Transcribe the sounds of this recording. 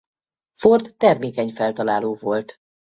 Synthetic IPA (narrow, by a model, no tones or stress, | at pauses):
fort̪ːɛrmeːkɛɲfɛlt̪ɒlaːloːvolt̪